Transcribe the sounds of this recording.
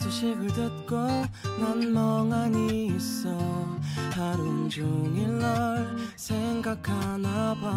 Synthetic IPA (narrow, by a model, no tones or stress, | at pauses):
sʰuɕʰeɡɯɭdɯt̚k͈onanmʌŋaɲiːsʌ | haɾumd͡ʑuŋeɭːʌɭsʰeŋɡakʰanaba